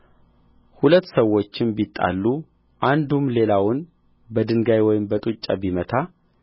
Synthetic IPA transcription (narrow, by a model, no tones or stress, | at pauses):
hulət̪ːsəwːo̞t͡ʃːɪnbit̪ʼːa̰lːu | ʔand̪umle̞lawʊn | bəd̪ɨŋɡajwɔjɪmbət̪ʼut͡ʃʼːabimət̪ʰa